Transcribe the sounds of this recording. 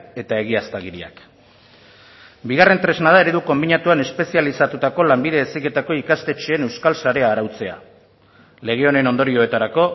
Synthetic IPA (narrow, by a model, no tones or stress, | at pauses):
e̞t̪ae̞ɣ̞iast̪aɣiɾia̰k | biɣ̞are̞nt̪ɾe̞znað̞ae̞ɾe̞ðuko̞mbiɲat̪uane̞spe̞sialisat̪ut̪ako̞lambiðe̞esike̞t̪ako̞ikast̪e̞t͡ʃeːne̞wskalsaɾe̞aːɾawt͡se̞a̰ | le̞ɣ̞e̞o̞ne̞no̞nd̪o̞ɾio̞e̞t̪aɾako̞